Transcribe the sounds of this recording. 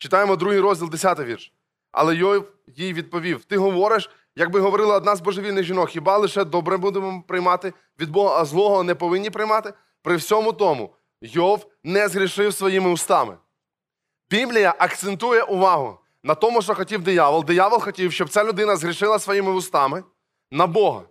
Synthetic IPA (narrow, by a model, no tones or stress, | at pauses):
t͡ʃɪ̥t̪ɑjemɔd̪ɾuɦijɾɔzʲdʲilˠd̪esʲat̪ɪjʋʲirʃ | ɐ̰lˠɛjɔw | jijʋʲid̪̚pɔʋʲiwt̪ɪɦɔʋɔɾɪʃ | jɐɡ̚bɪɦɔʋɔɾɪlˠɐɔd̪nɑzbɔʒeʋilʲnɪɣʒʲinɔkxʲibɑlˠɪʃɛd̪ɔbɾɛbud̪emɔpɾɪjmɑt̪ɪ | ʋʲid̪bɔɔzlˠɔɦɔɔnɛpɔʋɪnʲːipɾɪjmɑt̪ɪ | pɾɪwsʲɔmʊt̪ɔmʊ̰ | jɔw | nɛzɦɾʲiʃɪwsʋɔjimɪʊst̪ɑmɪ̰ | bʲiblʲijɐʔɐkt̪sent̪ujɛʔʊʋɑɦʊ̰ | nɐt̪ɔmʊʃt̪ɔxɔtʲiwd̪ɪjɑʋɔlˠd̪ɪjɑʋɔlˠxɔtʲiwʃt͡ʃɔb̚t̪sɛlʲʊd̪ɪnɐzɦɾʲiʃɪlˠɐsʋɔjimɪʊst̪ɑmɪ | nɐbɔɦɐ̰